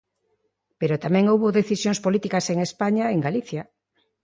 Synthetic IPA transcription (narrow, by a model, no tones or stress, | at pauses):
peɾot̪amɛ̃ŋowβoðeθisjõŋspolit̪ikaseŋespaɲaeŋɡaliθja